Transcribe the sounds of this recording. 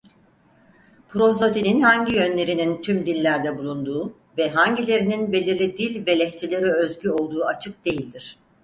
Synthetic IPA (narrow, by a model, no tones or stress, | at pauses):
pʰɾo̞zot̪inʲinhaɲɟijø̞nlʲe̞ɾinint̪ʰymd̪ilʲːæɾd̪ɛbulˠund̪uː | vɛɦaɲɟilʲe̞ɾininbe̞lʲiɾlʲid̪ilʲvɛlʲɛçt͡ʃʰelʲe̞ɾiøzɟyo̞lˠd̪uːat͡ʃʰɯk̚d̪e̞jilʲd̪iɾ̝̥